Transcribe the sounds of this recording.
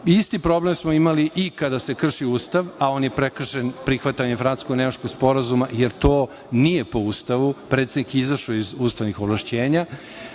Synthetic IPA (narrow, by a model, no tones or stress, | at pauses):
ist̪ipɾo̞blemsmoimaliʔikad̪ase̞kr̩ʃiuːst̪aʋao̞ːnjepɾekr̩ʃenpɾixʋat̪aifɾant̪skoɡnemat͡ʃkoɡspo̞ɾazumajeɾt̪o̞ː | nijepo̞uːst̪aʋupɾet̪sed̪nikizaʃoizuːst̪aʋnixovlaʃt͡ɕeːɲa